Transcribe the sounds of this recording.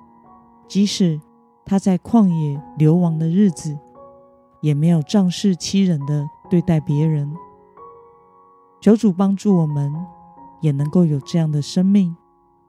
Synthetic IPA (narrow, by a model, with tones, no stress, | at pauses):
t͡ɕi˧˥ʂɻ̩˨˩˦ | t̪ʰa˥t͡sa˥˧ɪkʰwɑ˥˧ŋjɛ˨˩ljo˧˥ʊwɑ˧˥ŋd̪ə˧ɻɻ̩˥˩d͡zɹ̩˨˩ | jɛ˨˩me˧˥ɪjo˨˩ʊʈ͡ʂɑ˥˧ŋʂɻ̩˥˧t͡ɕʰi˥ɻə˧˥nd̪ə˧t̪we˥˧ɪt̪a˥˩ɪpjɛ˧˥ɻə˧˦n | t͡ɕʰjo˧˥ʊʈ͡ʂu˨˩pɑ˥ŋʈ͡ʂu˥˩wɔ˨˩mə˦n | jɛ˨˩nɤ˧˦ŋko˥˩ʊjo˨˩ʊʈ͡ʂɤ˥˧jɑ˥˩ŋd̪ə˩ʂə˥ŋmi˥˩ŋ